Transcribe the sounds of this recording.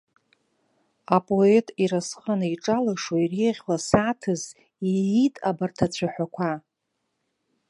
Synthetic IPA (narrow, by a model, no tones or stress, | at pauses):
apʼoetʼiɾasχənaiʈ͡ʂʼalaʂwaireʁʲlasaːtʰɨz | iitʼabartʰat͡ɕʷʰaħʷakʷʰa